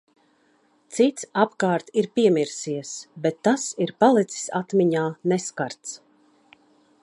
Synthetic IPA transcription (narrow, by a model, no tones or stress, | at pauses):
t̪sit̪sapkaːɾt̪iɾpiɛmiɾsiɛsbɛt̪ːasiɾpalˠit̪si̥sat̪miɲaːnɛskaɾt̪s